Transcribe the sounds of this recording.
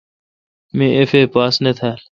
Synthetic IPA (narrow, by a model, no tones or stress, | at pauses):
mẽefeːpaːsnet̪ʰaːl